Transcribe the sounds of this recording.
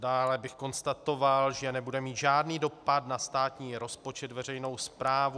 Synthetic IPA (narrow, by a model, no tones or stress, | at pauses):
daːlɛbɪxko̞nst̪at̪o̞valʒɛnɛbudɛmiːt̪ʒaːdniːdo̞padnast̪aːt̪ɲiːɾo̞spo̞t͡ʃɛt̪vɛrɛjno̞wspɾaːvu